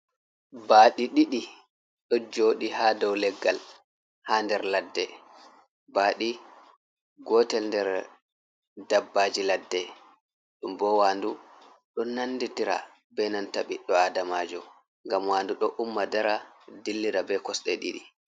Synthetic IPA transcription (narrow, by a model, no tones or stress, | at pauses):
baɗiɗiɗi | ɗɔd͡ʒoːɗihadɔwlɛɡːal | haːndɛɾladːɛ | baːɗi | ɡɔtɛlndɛɾ | dabːaːd͡ʒiladːɛ | ɗumbɔwaːndu | ɗɔnanːditiɾa̰ | bɛnantaɓiɗːɔadamaːd͡ʒɔ | ŋɡamwaːnduɗɔʔumːadaɾadilːiɾabɛkɔsɗɛɗḭɗi